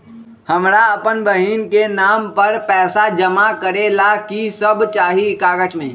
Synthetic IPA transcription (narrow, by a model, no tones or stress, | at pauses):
hɐmɾaɐpənbəɦiːnkenaːmpɐɾpɛːsad͡ʒəmakəɾelakisəbt͡ʃaːɦiɪkaːɡət͡ʃmẽː